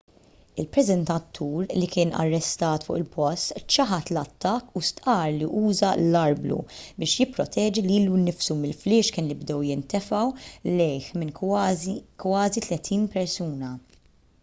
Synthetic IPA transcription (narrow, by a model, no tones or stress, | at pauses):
ɪlpɾɛzɛnt̪ɐt̪ʰːuːɾlikɪːnɐ̰rːɛst̪ɐːt̪fʊ̰ːʔɪlpɔst̪t͡ʃɐħɐt̪lɐt̪ːɐkːust̪ʔɐːɾliʔuːzɐlɐɾblṵbɪːʃjɪpːɾɔt̪ʰɛːd͡ʒiliːlunːɪfsumɪlflɪːʃkɪːnlɪbd̪ɛwjɪnt̪ɛfɐwlɛjħmɪn | kwɐːzit̪lɛt̪ʰiːnpɛɾsuːnɐ